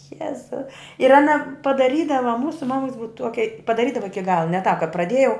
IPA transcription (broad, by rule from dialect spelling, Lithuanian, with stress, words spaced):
ˈjæːzʊ ɪr ɐˈnɐ pɐdɐˈrʲiːdɐʋɐ ˈmuːsʊ ˈmɑːmʊks ˈbʊʋɐ ˈtuɔkʲɛ pɐdɐˈrʲiːdɐʋɐ ˈɪkʲɪ ˈɡɑːlˠɐ nʲɛ tɑːp kɐ prɐˈdʲiɛjɛʊ